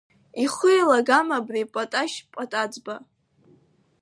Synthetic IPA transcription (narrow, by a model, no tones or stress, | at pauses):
iχʊjlaɡamabripʷʼatʼaʃpʷʼatʼad͡zba